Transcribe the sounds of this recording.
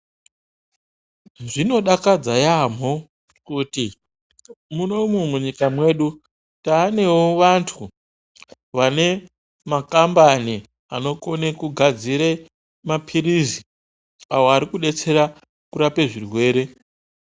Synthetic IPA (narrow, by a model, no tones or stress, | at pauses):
ʐino̞ɗakad͡zajam̤o | kuti | muno̞mumuɲikamwe̞ːɗu | taːne̞woʋantʰu | ʋane̞ | makambani | a̰no̞ko̞nekuɡʱad͡ziɾe̞ | mapʰiɾizi | awo̞aɾikuɗe̞t͡se̞ɾa | kuɾape̞ʐirwe̞ːɾe̞